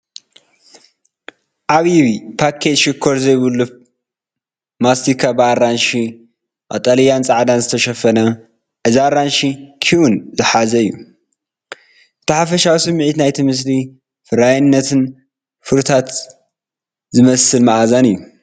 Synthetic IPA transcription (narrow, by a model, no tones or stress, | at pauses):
ʔaβiβipʰakʰet̪ʃɪkʰːoɾzɐjβɨlːu | mast̪ikʰabɨarːanʃi | ʔat̪ʼalijant͡sʼaʕd̪anzɨt̪ʰɐʃɐfɐnɐ | ʔɨzaɾanʃikʰiʔunzɨħazɐɨjːu | ʔɨt̪ʰɐħafɐʃawisɨmːʕit̪najt̪ʰimɨs̬li | fɨɾajnːɐt̪ʰɨn | fɨɾt̪ʰat̪ | zɨmɐsɨlmaʕazanɨjːu